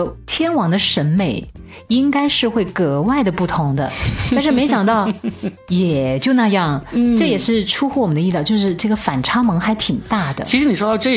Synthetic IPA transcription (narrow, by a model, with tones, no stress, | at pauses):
t̪ʰjɛ˥nwɑ˧˥ŋd̪ə˧ʂə˧˥nme˨˩˦ɪ | i˥ŋka˥ɪʂɻ̩˥˧xwe˥˩ɪkɤ˧˥wa˥˩ɪd̪ə˩pu˥˩t̪ʰʊ˧˥ŋd̪ə̰˧t̪a˥˧nʂɻ̩˥˩me˧˥ɪɕjɑ˨˩ŋt̪ɑ˥˩ʊ | jɛ˨˩t͡ɕjo˥˧ʊna˥˧jɑ˥˩ŋʈ͡ʂɤ˥˩jɛ˨˩ʂɻ̩˥˩ʈ͡ʂʰu˥xu˥˩wɔ˨˩mə˦nd̪ə˧i˥˧ljɑ˥˧ʊt͡ɕjo˥˧ʂɻ̩˥˧ʈ͡ʂɤ˥˩ɡə˩fa˨˩nʈ͡ʂʰɑ˥mɤ˧˥ŋxa˧˥ɪt̪ʰi˨˩ŋt̪a˥˩d̪ə̰˩t͡ɕʰi˧˥ʂɻ̩˧˥ni˨˩ʂwɔ˥t̪ɑ˥˧ʊʈ͡ʂɤ˥˧